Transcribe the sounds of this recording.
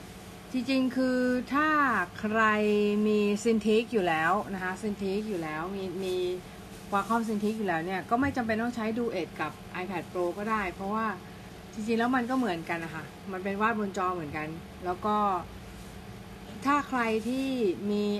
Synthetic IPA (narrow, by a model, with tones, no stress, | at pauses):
t͡ɕi˧ŋt͡ɕi˧ŋkʰɯː˧t̪ʰaː˥˩kʰɾa˧jmiː˧si˧nt̪ʰi˦˥k̚juː˨˩lɛː˦˥wna˦˥kʰa˦˥si˧nt̪ʰi˦˥k̚juː˨˩lɛː˦˥wmiː˧miː˧ | waː˧kʰɔ˥˩ms̬i˧nt̪ʰi˦˥k̚juː˨˩lɛː˦˥wni˥˩ɐkɔː˥˩ma˥˩jt͡ɕa˧mpe˧nt̪ɔː˥˩ŋt͡ɕʰa˦˥jduː˧ʔe˨˩t̪̚ka˨˩p̚ʔa˧jpʰɛ˨˩t̪̚pʰɾoː˧kɔː˥˩daː˥˩jpʰɾɔ˦˥waː˥˩ | t͡ɕi˧ŋt͡ɕi˧ŋlɛː˦˥wma˧nkɔː˥˩mɯ˩˦ənka˧nːʔa˧kʰa˥˩ | ma˧npe˧nwaː˥˩t̪̚bo˧nt͡ɕɔː˧mɯ˨˩˦ənka˧n | lɛː˦˥wkɔː˥˩ | t̪ʰaː˥˩kʰɾa˧jt̪ʰiː˥˩miː˧